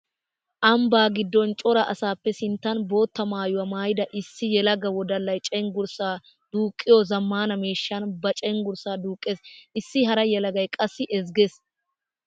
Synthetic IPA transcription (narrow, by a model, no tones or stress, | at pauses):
ʔɐmbaːɡɪd̪ːɔnt͡ʃʼɔɾɐʔɐsaːpːɛsɪnt̪ːɐnbo̞ːt̪ːɐmaːjʊwɐmaːjɪd̪ɐʔɪsːɪjɛlɐɡɐwɔd̪ɐlːɐjt͡ʃʼɛŋɡʊɾsaː | d̪̥uːkʼːɪjɔzɐmːaːnɐmeːʃːɐnbɐt͡ʃʼɛŋɡʊɾsaːd̪uːkʼːeːsʔɪsːɪɦɐɾɐjɛlɐɡɐjkʼɐsːɪʔɛzɡes